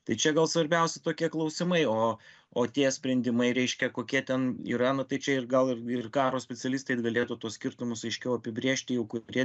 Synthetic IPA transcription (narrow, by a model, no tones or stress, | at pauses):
t̪ɐɪt͡ʃʲɛɡɐlˠsʋɐɾʲbʲɛʊsʲɛt̪oːkʲiɛklˠɐʊsʲɪmɐɪoː | oːt̪ʲiɛsʲpʲɾʲɛnʲd̪ʲɪmɐɪɾʲɛɪʃʲkʲɛkoːkʲiɛt̪ʲɛnḭɾɑːnɐt̪ɐɪt͡ʃʲɛɪrɡɐlˠɪrɪrkɑːɾoːsʲpʲɛt͡sʲɛlʲiːst̪ɐɪɡɐlʲeːt̪ut̪uɔsʲkʲɪrt̪ʊmʊsɐɪʃʲkʲɛʊɐpʲɪbʲɾʲeːʃʲt̪ʲɪjɛʊkʊɾʲiɛ